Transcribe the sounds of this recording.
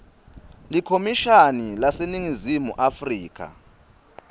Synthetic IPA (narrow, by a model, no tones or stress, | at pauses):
likʰomiʃanilaseniŋizimuʔafriːk̬ʰʼa̰